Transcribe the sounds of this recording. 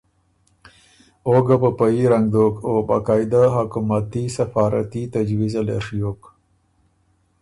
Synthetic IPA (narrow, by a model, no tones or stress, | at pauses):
oɡapəpaiɾaŋɡd̪oːkoba̰ːkɑːjd̪aɦakumat̪isɐfɑːɾa̰t̪it̪ad͡ʒwizalḛʂjoːk